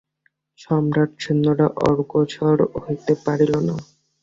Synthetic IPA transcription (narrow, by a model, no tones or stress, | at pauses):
ʃɔmɾaʈd͡ʑʰonːoɽaʔɔ̰ɾɡot͡ɕʰɔɾɦojt̪epaɾilona